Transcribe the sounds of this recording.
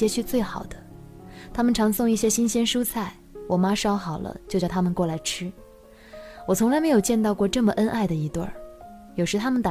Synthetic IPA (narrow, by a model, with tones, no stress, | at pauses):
ɛ˥t͡ɕʰt͡swe˥˩ɪxɑ˨˩ʊd̪̥ə˦ | t̪ʰa˥mə˨nʈ͡ʂʰɑ˧˥ŋsʊ˥˧ŋi˥˩ɕjɛ˥ɕi˥nɕjɛ˥nʂu˥t͡sʰa˥˩ɪwɔ˨˩ma˥ʂɑ˥ʊxɑ˨˩ʊlə̰˦t͡ɕjt͡ɕj̪ʰa˥mə˨nkwɔ˥˩la˧˥ɪʈ͡ʂʰɻ̩˥ | wɔ˨˩t͡sʰʊ˧˥la˧ɪme˧˥jo˨˩ʊt͡ɕjɛ˥˧nt̪ɑ˥˧ʊkwɔ˥˧ʈ͡ʂɤ˥˩mə˩ʔə˥nʔa˥˩ɪd̪ə˩i˧˥t̪wə̰˥˩ | jo˨˩ʂɻ̩˧˥t̪ʰa˥mə˨nt̪a˨˩